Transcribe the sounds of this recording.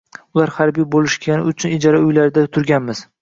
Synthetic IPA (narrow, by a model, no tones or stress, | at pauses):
ʊlaɾhaɾbijbolɪʃkʲʰanɪʊt͡ʃʰʊnɪd͡ʒɒɾaʊjlaɾɪd̪at̪ʰʊɾɡʲanmɪz̥